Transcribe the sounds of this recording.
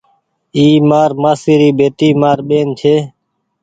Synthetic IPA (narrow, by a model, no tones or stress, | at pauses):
iːmaːɾmaːsiːɾiːbʱeːt̪iːmaːɾɓeːnt͡ʃʰeː